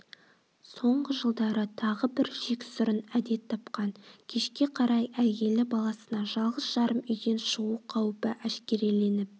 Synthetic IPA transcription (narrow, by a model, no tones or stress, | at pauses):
so̞ɴʁəʒəlˠd̪ɑɾət̪ʰɑʁəbɪɾʒe̞kʲɪ̥sʊɾənæd̪e̞t̪ʰːɑpqɑŋkʲʰe̞ʃkʲe̞qʰɑɾɑjæje̞lɪbɑlˠɑsənɑʒɑlˠʁəsʒ̥ɑɾəmʏjd̪e̞nʃuwuqʰɑwpəʔæʃkʲe̞ɾile̞nɪp̚